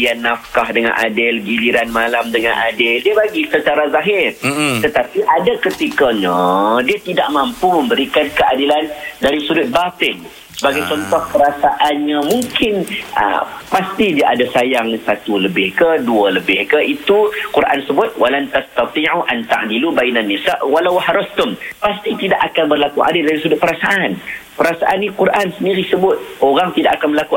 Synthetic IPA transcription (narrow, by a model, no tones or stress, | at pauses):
ianːafkahdəŋa̰nʔa̰dɪlɡiliɾanmalamdəŋã̰nʔadɪldiəbaɡisət͡ʃaɾazaɦɪrt̪ət̪apiʔadakət̪ikəɲə̃diət̪idaʔmampumə̃mbəɾikankəʔadilandaɾisudʊt̪̚bat̪ɪŋ | səbaɡajt͡ʃɔnt̪ɔhkəɾasaʔanɲəmuŋkɪnʔə̰past̪idiaʔadasajaŋsat̪uləbɪhkəduələbɪhkəit̪ukuɾʔa̰nsəbʊt̪̚wʔalant̪ast̪at̪ˤiʕuʔant̪a̰ʕnilubainanːisaʔwalawhaɾʊst̪ʊmpast̪it̪idaʔakanbərlakuʔa̰dɪldaɾisudʊt̪̚pəɾasaʔanpəɾasaʔanːĩkuɾʔansəndiɾisəbʊt̪̚oɾaŋt̪idaʔakanməlaku